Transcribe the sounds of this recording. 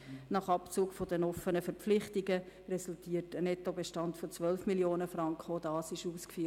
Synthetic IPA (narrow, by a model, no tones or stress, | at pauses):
nɑχɑpt͡suːkfodɛnɔfənəfəɾp͡flɪχtiɡəɾɛsultiːətənɛtobeʃtɑntfot͡sʋœlfmiljoːnəfrɑŋkχodɑːsɪʃuːskfyː